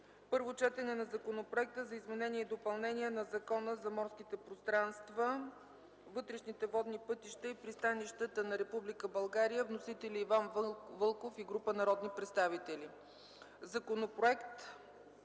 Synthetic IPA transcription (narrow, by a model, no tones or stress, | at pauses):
pɤɾvot͡ʃɛt̪ɛnɛnɐzɐkonopɾoɛk̚t̪əzɐizmɛnɛniɛd̪opɐlˠnɛniɛnɐzɐkɔnəzɐmɔɾskit̪ɛpɾost̪ɾanst̪və | vɤt̪ɾɛʃnit̪ɛvɔd̪nipɤt̪iʃt̪əipɾist̪aniʃt̪ət̪ənɐɾɛpublikəbɐlˠɡaɾijəvnosit̪ɛlʲiːvanvvɤlˠkofiɡɾupənɐɾɔd̪nipɾɛt̪st̪avit̪ɛli | zɐkonopɾoɛkt̪